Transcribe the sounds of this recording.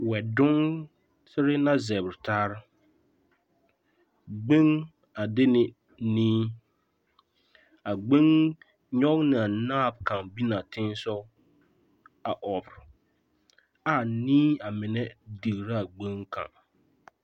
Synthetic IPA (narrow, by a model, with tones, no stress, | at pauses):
wɛ˨dʊ˦ŋ | sɪ˦ɾɪ˦na˦zɛ˨bɾɪ˨taː˦ɾɪ˦ | ɡ͡be˦ŋ | a˨dɪ˦nɪ˨ | niː˦ | a˨ɡ͡be˦ŋ | ɲɔ˦ŋnɪ˨a˨naː˦˨bkã˨ŋbi˦na˨tɪ˦n˦sɔ˦ | a˨ʔɔ˨bɾɪ˨ | a˦˨niː˦a˨mɪ˨nɛ˦di˨ɣɾa˦a˨ɡ͡be˦ŋka̰˨ŋ